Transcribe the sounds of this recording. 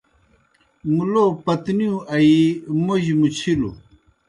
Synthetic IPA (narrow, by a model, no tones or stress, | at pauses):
mulopɐt̪nijũʔɐimoʑmut͡ɕʰilṵ